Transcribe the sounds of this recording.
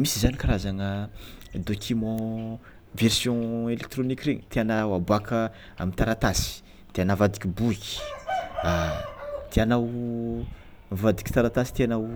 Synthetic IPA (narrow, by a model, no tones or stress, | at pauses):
misizanikaɾazaŋəd̪okʰʲymɔ̃ | versjɔ̃elek̚t̪ɾonikʲreɲt̪eanawabakʰə | a̰mint̪aɾat̪asi̥ | d̪̥eanavad̪ikʲibuki̥a | t̪eanaw | vad̪ikʲi̥t̪aɾat̪asi̥t̪eanaw